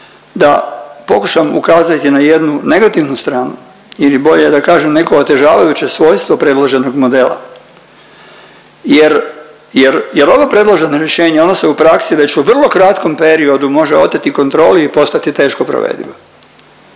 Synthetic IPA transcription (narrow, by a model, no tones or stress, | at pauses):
d̪apo̞kuʃamṵkaːzat̪inaje̞d̪nune̞ɡat̪iʋnust̪ɾaːnu | ilibo̞ʎed̪akaːʒemnekoːt̪e̞ʒaːʋajut͡ɕe̞sʋo̞ːjst̪ʋo̞pɾe̞d̪lˠaʒe̞no̞ɡmo̞d̪e̞ːla̰ | jeɾ | jeɾjeɾo̞ʋopɾe̞d̪lˠaʒenoɾjeʃe̞ːɲeo̞noseupɾaksiʋe̞t͡ɕuʋr̩lˠo̞kɾat̪ko̞mpe̞ɾio̞d̪umo̞ʒeo̞t̪ːet̪iko̞nt̪ɾo̞ːliipo̞st̪at̪it̪e̞ːʃkopɾo̰ʋḛːd̪ḭʋo